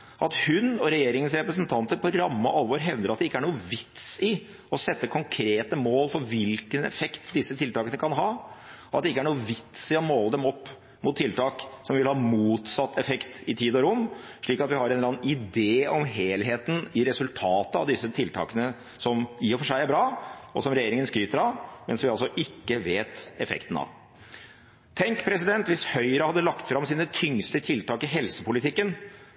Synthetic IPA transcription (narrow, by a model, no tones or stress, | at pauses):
ʔɑt̪hʉnɔɾɛjeːɾɪŋənsɾɛpɾəsənt̪ʰɑnt̪əɾpɔɾɑmːɑʔɑlʋoːɾɦɛʋd̪əɾɑt̪d̪ɛɪkːəæɳuːəʋɪt̪sɪ | ɔsɛt̪ːəkʰɔŋkʰɾeːt̪əmoːlfɔɾʋɪlkənɛ̰fɛkt̪d̪ɪsːət̪ʰɪlt̪ɑːkənəkʰɑnɦɑːɔɑt̪̚d̪ɛɪkːæɳuːəʋɪt̪sɪɔmoːləd̪ɛmɔpː | mʊt̪ʰːɪlt̪ʰɑːksɔmʋɪlhɑːmuːt̪sɑt̪ːɛfɛkt̪ɪt̪ʰiːd̪ɔɾʊmː | ʂɭiːkɑt̪ʋɪhɑɾɛnlɑnɪd̪eːɔmɦeːlɦeːt̪n̩ɪɾɛsʉlt̪ʰɑːt̪əɑ̰ʋd̪ɪsːət̪ʰɪlt̪ʰɑ̰ːkənə | sɔmiːɔfɔʂæɪæɾbɾɑːɔsɔmɾɛjeːɾɪŋənskyːt̪əɾɑʋmɛnsʋɪɑlsɔʔɪkːəʋeːt̪ɛfɛ̰kt̪ən̩ɑ̰ʋ | t̪ʰɛŋkpʰɾɛsɪd̪ɛnt̪ʋɪshœʏɾɑhɑd̪ːəlɑkt̪fɾɑmsiːnət̪ʰʏŋst̪ət̪ʰɪlt̪ɑːkɪɦɛlsəpʊlɪt̪ʰɪkːən